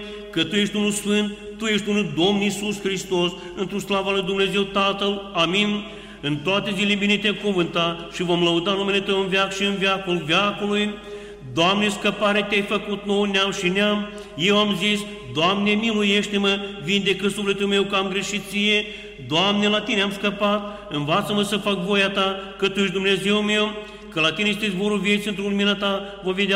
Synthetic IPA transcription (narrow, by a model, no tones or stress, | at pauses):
kət̪uje̞ʃt̪ʲunulsfɨnt̪̚ːuje̞ʃt̪ʲunuld̪o̞mnisuskɾist̪o̞s | ɨnt̪ɾuslavalujd̪umne̞ze̞wt̪at̪əlaminʲ | ɨnt̪oat̪e̞zilebinet̪ʲemkunvɨnt̪aʃivo̞mləud̪anume̞let̪əwɨnvʲjakʃiɨnvjakolvjakoluj | d̪oamneskəpaɾet̪eajfəkut̪̚no̞wneamʃineam | je̞wamzis | d̪oamnemilujeʃt̪eməvind̪e̞kəsufle̞t̪ulme̞wkəamɡɾe̞ʃit̪̚sije̞ | d̪oamnelat̪ineamskəpat̪̚ | ɨnvat̪səməsəfakvo̞jat̪akət̪ujeʃ̬d̪umne̞ze̞wme̞w | kəlat̪inest̪ezboɾuvje̞t̪sʲiɨnt̪ɾuluminat̪avove̞d̪ʲa